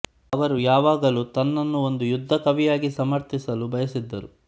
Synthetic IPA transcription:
ɐʋɐɾujaːʋaːɡɐlut̪ɐnːɐnːuo̞nd̪ujud̪ʱːɐkɐʋijaːɡisɐmɐɾt̪ʰisɐlubʱɐjɐsid̪ːɐɾu

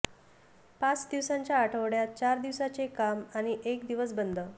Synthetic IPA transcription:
pat͡sd̪iʋsaɲt͡ɕjaːʈʰəʋɽjat̪̚t͡ɕaɾd̪iʋsat͡sekamaɽ̃iʔekd̪iʋəs̬bənd̪ʱə

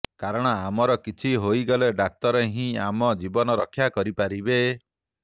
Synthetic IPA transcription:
kaɾɔɽ̃ɔamɔɾɔkit͡ʃʰiɦojɡɔleɖak̚t̪ɔɾeɦĩamɔd͡ʒibɔnɔɾɔkʰːjakɔɾipaɾibe

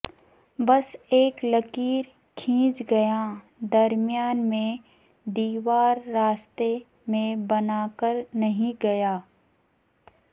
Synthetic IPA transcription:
bɐseːklɐkiːɾ | kʰĩːt͡ʃɡɐja | d̪ɐɾmɪjaːnmẽ | d̪iːʋaːɾːaːst̪e | mẽbɐnaːkəɾnɐɦĩɡɐjaː

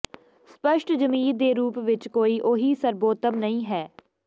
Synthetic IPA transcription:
spəʃʈd͡ʒəmiːɾd̪eːɾuːpʋɪt͡ʃkoːiːʔoːɦiːsəɾboːt̪əmnəĩːɦɛː

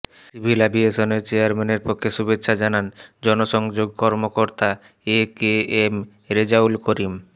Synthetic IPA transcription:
sibʱilabieʃoneɾt͡ɕeaɾmeneɾpokʰːeʃubet̪ːʃʰad͡ʑanand͡ʑɔnoʃɔŋd͡ʑoɡ̚kɔɾmokoɾt̪a | ekeem | ɾed͡ʑaulkoɾim

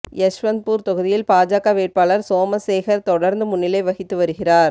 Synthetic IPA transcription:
ɛʂʋɐnd̪̚puːɾt̪ɔɣɯðɪjɪlpaːd͡ʒaːɣaʋeːʈ̚paːlɐɾsoːmɐseːɣɐɾt̪ɔɽɐɾnd̪ɯmʊnːɪlɐɪʋɐɣɪt̪ːɯʋɐɾɯɣɪraːɾ

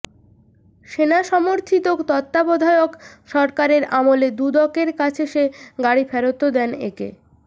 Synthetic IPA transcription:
ʃenaʃɔmoɾt̪ʰit̪okt̪ɔt̪ːabɔd̪ʱaeokʃɔɾkaɾeɾamoled̪ud̪ɔkeɾkat͡ɕʰeʃeɡaɽifɛɾot̪od̪ɛnḛkḛ

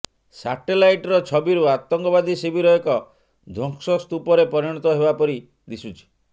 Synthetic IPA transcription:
saʈelajʈɔɾɔt͡ʃʰɔbiɾuat̪ɔŋkɔbad̪isibiɾɔɔkɔ | d̪ʱɔŋksɔst̪upɔɾepɔɾiɽ̃ɔt̪ɔɦebapɔɾi | d̪isut͡ʃʰi̥

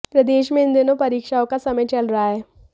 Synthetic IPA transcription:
pɾəd̪eːʃmẽːnd̪enõpəɾiːkʃaːõkasəmə̃jt͡ʃəlɾəaɦɛː

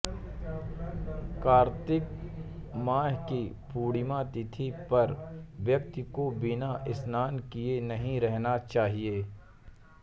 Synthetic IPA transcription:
kaːɾt̪ɪk | maːɦki | puːɽmãt̪ɪt̪ʰipɐɾʋjɐkt̪ɪkobɪnaʔɪsnaːnkienɐɦĩɾɛɦnat͡ʃaːɦieː

